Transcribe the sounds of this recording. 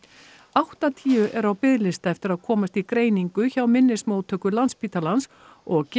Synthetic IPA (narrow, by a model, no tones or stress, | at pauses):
awht̪at̪ʰiːʏʔɛɾawpɪðlɪst̪aɛft̪ɪɾaðkʰɔːmast̪ikɾeːjniŋkʏçawmɪnːɪsmowt̪ʰœːkʏlanspiːt̪alans | ɔɣc